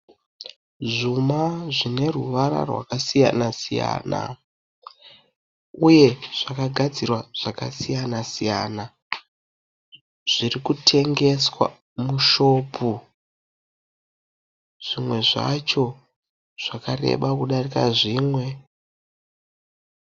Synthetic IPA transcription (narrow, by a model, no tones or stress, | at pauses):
ʐumaʐine̞ruʋaɾa̰rwa̰kasija̰nasija̰ːna̰ | uje̞ʐ̥akaɡʱad͡zirwaʐ̥aka̰sijanasija̰ːna | ʐ̥irikutʰe̞ŋɡe̞swa̰ | muʃo̞ːpʰu | ʐ̥imwe̞ʐa̰t͡ʃo̞ | ʐ̥akare̞̰ɓakuɗarika̰ʐiːmwe̞